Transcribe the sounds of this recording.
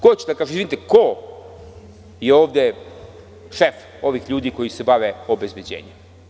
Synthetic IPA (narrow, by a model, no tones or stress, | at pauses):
kot͡ɕed̪akaːʒemizvinit̪eko | jeo̞ːʋd̪e̞ | ʃef | o̞ʋixʎuːd̪iko̞jise̞baʋeo̞bezbjed͡ʑḛːɲem